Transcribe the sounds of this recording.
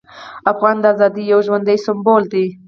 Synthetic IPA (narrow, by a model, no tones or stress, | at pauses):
afɣɑnd̪əazɑd̪ijawʒwand̪ajsɪmbold̪i